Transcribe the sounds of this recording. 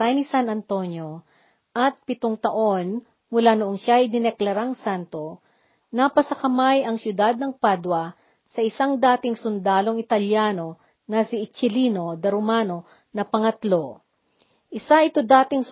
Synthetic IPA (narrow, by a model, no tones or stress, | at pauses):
t̪ɐjnɪsanɐnt̪o̞njo̞ | ʔɐt̪̚pɪt̪oŋt̪ɐʔo̞n | mʊlaːnʊʔonʃajd̪ɪnɛklɐɾaŋsant̪o̞ | nɐpɐsɐkɐmajɐŋsjʊd̪ad̪̚nɐŋpad̪wɐ | sɐʔɪsaŋd̪aːt̪ɪŋsʊnd̪aːlo̞ŋɪt̪ɐljaːno̞ | nɐsɪɪt͡ʃɪliːno̞d̪ɐɾomano̞ | nɐpɐŋɐt̪lo̞ | ʔɪsaʔɪt̪o̞d̪aːt̪ɪŋ